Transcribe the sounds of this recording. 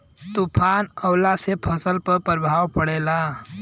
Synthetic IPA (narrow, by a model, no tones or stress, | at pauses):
t̪upʰanəwlasepʰəsəlpəɾpəɾbʱawpəɽela